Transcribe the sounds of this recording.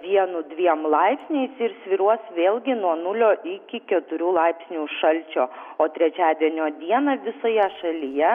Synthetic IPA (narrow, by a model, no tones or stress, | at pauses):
ʋʲiɛnʊd̪ʲʋʲiɛmlˠɐɪpʲsʲnʲeɪsɪɾsʲʋʲɪɾuɔsʋʲeːlʲˠɡʲɪnuɔnʊlʲoːʔɪkʲɪkʲɛt̪ʊɾʲuːlˠɐɪpʲsʲnʲuːʃɐlʲt͡ʃʲoːoːt̪ʲɾʲɛt͡ʃʲæːd̪ʲiɛnʲoːd̪ʲiɛnɐʋʲɪsoːjɛʃɐlʲɪjɛ